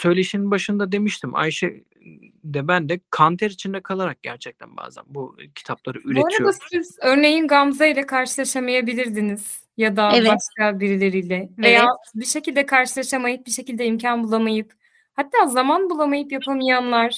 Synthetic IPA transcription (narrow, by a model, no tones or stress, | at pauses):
sø̞jlʲe̞ʃininbaʃɯnd̪ad̪e̞miʃt̪ʰimʔa̰jʃej | d̪ɛbænd̪ɛkʰant̪ʰɛɾit͡ʃʰind̪ɛkʰalˠaɾak̚ɟ̥æɾt͡ʃʰɛc̚t̪ʰæ̰nba̰ːzæ̰nbucʰi̥t̪ʰaplˠaɾɯyɾeoɾaid̪asiizø̞ɾne̞jinɡamzailʲɛkʰaɾʃɯlˠaʃamajabilʲiɾd̪iniz̥ | jad̪abaʃkabiɾilʲe̞ɾijlʲɛve̞jaːbiʃe̞cilʲd̪ɛkʰaɾʃɯlˠaʃamajɯp̚biʃe̞cilʲd̪ɛimcʰanbulˠamajɯp | hat̪ʰːaːzamanbulˠamajɯpjapʰamɯjanlˠaɾ̥